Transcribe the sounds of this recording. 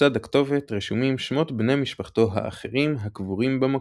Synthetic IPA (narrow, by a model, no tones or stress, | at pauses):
ad̪akt̪o̞vet̪ʁiʃumimʃmo̞t̪bne̞miʃpaχt̪o̞ɦa̰a̰χeʁimɦakvuʁimbama